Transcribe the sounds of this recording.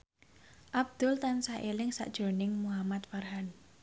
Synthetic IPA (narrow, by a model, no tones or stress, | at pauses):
ʔab̚d̪̥ʊlt̪ansaʔelɪŋsa̰ʔd̥ʒ̥o̤nɪŋmuɦamat̪farɦan